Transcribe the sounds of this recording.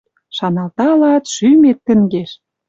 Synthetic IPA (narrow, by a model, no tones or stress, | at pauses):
ʃɑnɑlt̪ɑlɑt̪ʃymet̪ːə̆ŋɡeʃ